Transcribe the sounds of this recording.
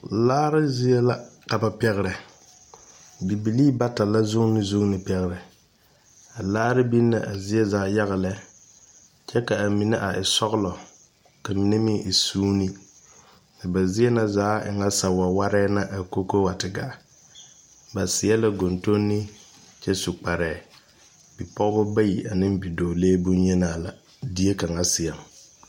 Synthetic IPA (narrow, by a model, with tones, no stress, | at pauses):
laː˦ɾɪ˦zi˦ɛ˦la˦ka˨ba˨pɛ˦ɣɾɛ˨ | bi˨bi˨liː˦ba˦ta˨la˦zʊ˦ŋ˦nɪ˦zʊ˦ŋ˦nɪ˨pɛ˦ɣɪ˦ɾɛ˨ | a˨laː˦ɾɪ˦bi˦nːa˨ʔa˨zɪ˦ɛ˦zaː˨˦ja˦ɣa˨lɛ˨ | t͡ʃɛ˦ka˨a˨mi˨nɛ˦ʔa˨ʔɪ˨sɔ˦ɣʊ˦lɔ˨ | ka˨mi˨nɛ˦mɪ˦ʔɪ˨suː˦ni˦ | nɪ˨ba˨zɪ˦ɛ˦na˨zaː˨˦ɪ̰˨ŋa˦sa˨˦wa˨wa˦ɾɛː˦na˦ʔa˨ko˦ko˦wa˨tɪ˨ɡa˦˨ | ba˨sɪ˨jɛ˦la˦ɡo˨nto˦nːɪ˦ | t͡ʃɛ˦su˨k͡pa˨ɾɛː˨ | bi˨pɔ˦ɣɡʊ˦ba˦ji˨ʔa˨nɪ˦m˦bi˨doː˨leː˦bu˦n˦ɲɛ˦naː˦˨la˨ | di˦e˦ka˨ŋa˦sɪ˨jɛ˨m